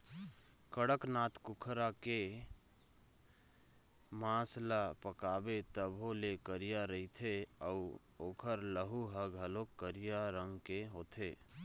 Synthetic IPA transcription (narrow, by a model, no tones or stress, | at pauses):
kəɽəknat̪kukʰɾake | mãslapəkabet̪əbʱolekəɾijaɾəɦit̪ʰeəu | oːkʰəɾləɦuɦəɡʱəlokːəɾijaɾəŋɡkeɦot̪ʰe